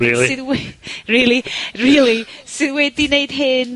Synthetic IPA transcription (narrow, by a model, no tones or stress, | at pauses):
ilˠisɨðwriːlˠiriːlˠisɨðwɛdinejd̥ɦɪn